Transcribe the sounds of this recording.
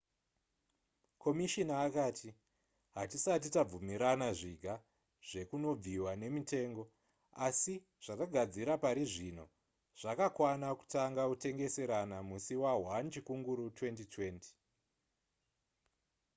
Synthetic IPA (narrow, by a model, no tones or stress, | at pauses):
kʰo̞miʃinaːkaːtʰi | ɦatisat̬itab͡vumiɾanaʐiɡʱa | ʐ̥e̞kuno̞b͡viwane̞mite̞ːŋɡo̞ | asi | ʐ̥ataɡʱad͡ziɾapaɾiʐino̞̰ | ʐ̥akakwanaku̥taŋɡakute̞ŋɡe̞se̞ɾanamusiwaɦwant͡ʃikuŋɡuɾutwe̞ntitʰwe̞ːnti̥